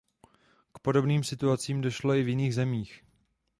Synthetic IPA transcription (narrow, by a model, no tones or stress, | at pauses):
kpo̞do̞bniːmsɪt̪uat͡siːmdo̞ʃlo̞ɪvjɪniːɣzɛmiːx